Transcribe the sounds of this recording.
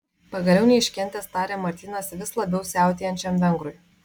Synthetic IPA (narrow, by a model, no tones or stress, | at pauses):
pɐɡɐlʲɛʊnʲɛɪʃʲkʲɛnʲt̪ʲest̪ɑːɾʲeːmɐɾʲt̪ʲiːnɐsʋʲɪslˠɐbʲɛʊsʲæˑʊt̪ʲeːjɛnʲt͡ʃʲɛmʋʲɛŋɡɾʊj